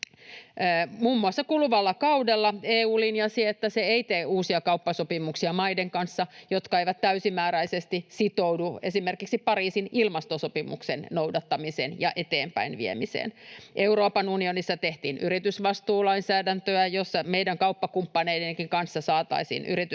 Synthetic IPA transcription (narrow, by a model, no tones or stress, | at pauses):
muːmːuɑsːɑkulʋɑlːɑkɑudelːɑeːuːlinjɑsiet̪ːæseeit̪eːuːsiɑkɑupːɑsopimuksiɑmɑideŋkɑnsːɑjot̪kɑeiʋæt̪t̪æysimæːɾæisest̪isit̪owduesimerkiksipɑɾiːsinilmɑst̪osopimṵksennowdɑt̪ːɑmisḛnjɑʔet̪eːmpæ̰inʋḭḛmisḛːnʔeuroːpɑnunionisːɑt̪eht̪iːnʔyrit̪ysʋɑst̪uːlɑinsæːdænt̪øæjosːɑmeidæŋkɑupːɑkumpːɑneideŋkiŋkɑnsːɑsɑːt̪ɑ̰isḭnʔyrit̪y